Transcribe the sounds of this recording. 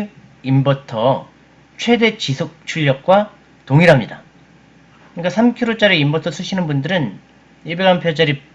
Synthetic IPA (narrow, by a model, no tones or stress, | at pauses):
imbʌtʰʌ | t͡ɕʰwe̞de̞t͡ɕisʰok̚t͡ɕʰuʎːʌk̚k͈wa | toŋiɾɦamɲida | kɯɲik͈asʰamkʰiɾot͡ɕ͈aɾeimbʌtʰʌsʰɯɕʰinɯnbundɯɾɯn | iɭbeɡanpʰjʌd͡ʑaɾi